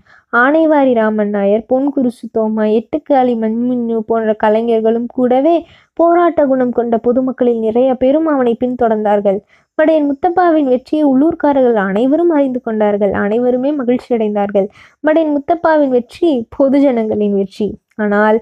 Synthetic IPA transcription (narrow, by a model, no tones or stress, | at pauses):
aːnɐɪʋaːɾiɾaːmɐnːaːjɐɾpoːnkʊɾɪt͡ʃːɯt̪ːoːmaɛʈːɯkːaːlimɐɲmʊɲːɯpoːndrɐkɐlɐŋɡɪɐɾɣɐɭɯmkuːɽɐʋeː | poːɾaːʈːɐɡʊɳɐmkɔɳɖɐpɔðɯmɐkːɐɭɪlnɪrɐjɐpɛɾɯmaʋɐnɐɪpːɪnt̪ɔɽɐɾnd̪aːɾɣɐɭ | mɐɽɐjɪnmʊt̪ːɐpːaːʋɪnʋɛʈrɪjɐʊɭːuːɾkaːɾɐɣɐɭɐnɐɪʋɐɾɯmɐrɐɪnd̪ɯkɔɳɖaːɾɣɐɭʔɐ̰nɐɪʋɐɾɯmeːmɐɣɪɭt͡ʃːiɐɽɐɪnd̪aːɾɣɐɭ | mɐɽɐjɪnmʊt̪ːɐpːaːʋɪnʋɛʈripʰɔðɯd͡ʒɐnɐŋɡɐɭɪnʋɛʈri | aːnaːl